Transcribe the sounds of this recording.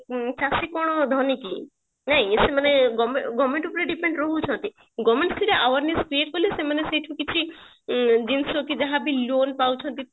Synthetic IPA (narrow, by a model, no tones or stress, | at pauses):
t͡ʃasikɔɽ̃ɔd̪ʱɔniki | naɦĩsemaneɡɔmeɡɔmẽɳʈupɾeɖipeɳɖɾɔɦut͡ʃʰɔnt̪i | ɡɔmẽɳʈt̪ʰiɾeʔaʋaɾneskɾieʈ̚kɔlisemaneseʈʰũkit͡ʃʰi | d͡ʒinsokid͡ʒaɦabʱilonpawt͡ʃʰɔnt̪i